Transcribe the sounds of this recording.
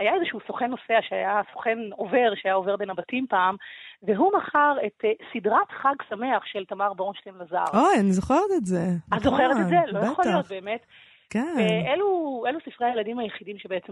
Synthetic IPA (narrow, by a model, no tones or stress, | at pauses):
ajaezeʃuuːsoχenːo̞seaʃeajasoχe̞nove̞ʁʃeajao̞veʁbe̞nabatimpaːmveɦumaχaʁe̞tsidʁatχaɡsame̞aχʃeltamaʁboonʃtemlaza̰ʁojanizoχeʁet̪etzeazo̞χeʁetezelojaχolijot̪̚be̞ːme̞t | keveeluelusifʁeajeladimhajeχidimʃebeet͡sem